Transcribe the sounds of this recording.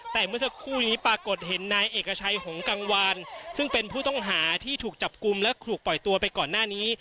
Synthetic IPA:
t̪ɛː˨˩mɯ˥˩ɐsa˧˥kʰuː˥˩niː˦˥pɾaː˧ko˨˩t̪̚ɦe˩˦nːaː˧jʔeː˨˩kːa˧t͡ɕʰa˧jho˩˦ŋka˧ŋwa˧nsɯ˥˩ŋpe˧npʰuː˥˩t̪ɔ˥˩ŋɦaː˩˦t̪ʰiː˥˩t̪ʰuː˨˩k̚t͡ɕa˨˩p̚ku˧mlɛ˦˥kʰuː˨˩k̚pɔ˨˩jt̪u˧ɐpa˧jkɔː˨˩nːaː˥˩niː˦˥

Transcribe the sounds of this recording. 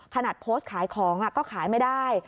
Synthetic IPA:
kʰa˧na˨˩t̪̚pʰoː˦˥st̪̚kʰaː˨˩˦jkʰɔː˩˦ŋʔa˨˩kɔː˥˩kʰaː˩˦jma˥˩jdaː˥˩j

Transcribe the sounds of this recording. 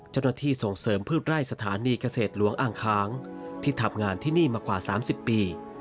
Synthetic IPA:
t͡ɕa˥˩wnaː˥˩t̪ʰiː˥˩so˨˩ŋsɤː˩˦mpʰɯː˥˩t̪̚ɾa˥˩jsa˧t̪ʰaː˩˦niː˧ka˧seː˨˩t̪̚lu˨˩˦əŋʔaː˧˩ŋkʰaː˦˥ŋt̪ʰiː˥˩t̪ʰa˧mŋaː˧nt̪ʰiː˥˩niː˥˩maː˧kwaː˨˩saː˩˦msi˨˩pːiː˧

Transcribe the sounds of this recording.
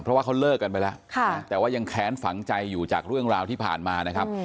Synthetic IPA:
pʰɾɔ˦waː˥˩kʰwlɤː˥˩kːa˧npa˧jlɛ˦˥ʔkʰa˥˧˥t̪ɛː˨˩waː˥˩ja˧ŋkʰɛː˦˥nfa˩˦ŋt͡ɕa˧jːuː˨˩t͡ɕaː˨˩k̚ɾɯ˥˩əŋɾaː˧wt̪iː˥˩pʰa̰ː˨˩nmaː˧na˦˥kʰa˦˥p̚

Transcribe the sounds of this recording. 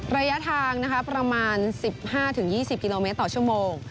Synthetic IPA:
ɾaː˧ja˦˥t̪ʰaː˧ŋna˦˥kʰa˦˥pɾa˧maː˧nsi˨˩p̚haː˥˩t̪ʰɯ˨˩˦ŋjiː˥˩si˨˩p̚ki˧loː˧me˦˥t̪ːɔː˨˩t͡ɕʰu˥˩əmoː˧ŋ

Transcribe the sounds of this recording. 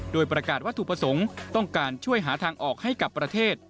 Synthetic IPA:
doː˧jpɾa˧kaː˨˩t̪waː˥˩t̪ʰuː˨˩pɾa˧so˩˦ŋt̪ɔ˥˩ŋkaː˧nt͡ɕʰu˥˩əjɦaː˩˦t̪ʰaː˧ŋʔɔː˨˩k̚ha˥˩jka˨˩pːɾa˧t̪ʰeː˥˩t̪̚

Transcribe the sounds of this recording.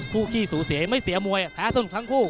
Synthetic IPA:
kʰuː˥˩kʰiː˥˩suː˩˦si˨˩˦ma˥˩jsi˩˦ɐmu˧əjʔa˨˩kʰaː˦˥˩t̪a˧˥˨t̪ʰa˦˥ŋkʰuː˥˩

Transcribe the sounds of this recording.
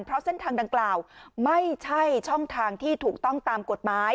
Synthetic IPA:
npʰɾɔ˦˥se˥nt̪ʰaː˧ŋda˧ŋklaː˨˩wma˥˩jt͡ɕʰa˥˩jt͡ɕʰɔ˥˩ŋt̪ʰaː˧ŋt̪ʰiː˥˩t̪ʰuː˨˩k̚t̪ɔ˥˩ŋt̪aː˧mko˨˩t̪̚maː˦˥j

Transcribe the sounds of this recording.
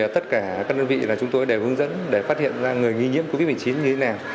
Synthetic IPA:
ə˩t̪ə˦˥t̚kaː˧˩kaː˦˥k̚ɗəː˧nvḭ˧˨laː˨˩t͡ɕʊ˨˦ŋ͡mt̪o˧jɗe˧˩hɨ˨˦ŋzə̰˧˥nɗe˧˩faː˦˥t̚hḭ˧˨ənzaː˧ŋɨ˨˩əjŋi˧ɲḭ˧˥əmko˧vi˦˥t̚m˨˩t͡ɕi˨˦nɲɨ˧t̪ʰe˨˦naː˨˩w

